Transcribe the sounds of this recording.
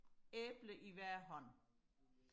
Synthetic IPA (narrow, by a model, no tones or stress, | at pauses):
eːb̥ləʔiʋæɐ̰ɦɒ̽n̰